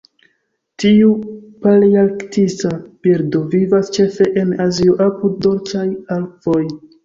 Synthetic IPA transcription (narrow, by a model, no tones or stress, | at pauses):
tiupaliaktisapiɾdovivast͡ʃe̞fe̞ʔenazioʔapuddo̞ɾt͡ʃajalfo̞j